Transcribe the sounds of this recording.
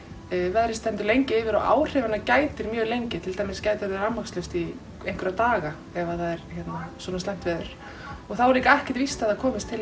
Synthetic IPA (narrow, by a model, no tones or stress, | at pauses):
vɛðɾɪst̪ɛnt̪ʏɾlejɲcɪɪːvɪɾɔ̰a̰ːwr̥ɛvanːacaːjt̪ɪɾmjœːlejɲcɪt̪ʰɪlt̪aːjmɪscajt̪ɪɾɾanmakslœst̪i | ejŋkvʏɾat̪aːɣa | ɛvaθaðɛɾ̥çɛt̪nasɔːnast̪ajm̥t̪vɛːðʏɾ̥ | ɔɣθawɛɾliːkaɛhcɪ̥t̪vist̪aðakʰɔːmɪst̪ʰːɪl